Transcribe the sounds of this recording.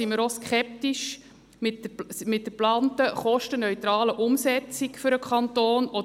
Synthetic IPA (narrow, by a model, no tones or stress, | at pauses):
iməɾoskχɛp̚tiʃ | mɪtmɪt̚dəplɑːntəχɔʃtənœʏt̪ɾɑːləʔʊmsɛt͡sikfʏɾəkʰχɑntoːnɔ